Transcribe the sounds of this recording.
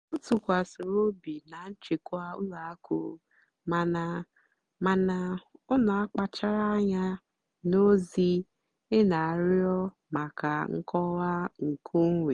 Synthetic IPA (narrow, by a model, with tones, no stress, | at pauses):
n̩˦tu˨kʷa˨sʊ˨ɾo˦bi˨na˨n̩˦t͡ʃe˨kʷa˦u˦la˨a˦ko̰˨˦ | ma˨na˨ | ma˨na˨ʊ˦na˨a˦k͡pa˦t͡ʃa˦ɾa˦ɲa˦ | no˦zi˦ | ɪ˦na˨a˨ɾjɔ˦ | ma˨ka˨ŋ̩˦kʰɔ˦ɣa˦ŋ̩˨kʰu˦ŋ̩˦wʷe˨